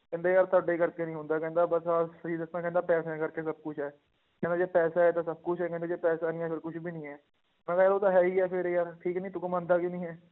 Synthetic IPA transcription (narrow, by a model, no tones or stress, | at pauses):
kɛ̃ːnd̪eːjaːɾt̪aːɖeiːkəɾkeːnĩːɦʊ̃nd̪aːkɛ̃ːnd̪aːbəsaːəiːd̪ɪsnãːkɛ̃ːnd̪aːpɛːsãːkəɾkeːsəb̚kʊt͡ʃʰɦɛː | kɛ̃nd̪aːd͡ʒeːpɛːsaːɦɛːt̪ãːsəb̚kʊt͡ʃʰɦɛːkɛ̃nd̪aːd͡ʒeːpɛːsaːnĩːɛːpʰɪɾkʊt͡ʃʰbiːnĩːɛː | mɛ̃ːkaːjaːɾoːt̪aːɦɛːiːɛːpʰɪɾjaːɾʈʰiːknĩːt̪ʊkmãːnd̪aːkinĩːɦɛː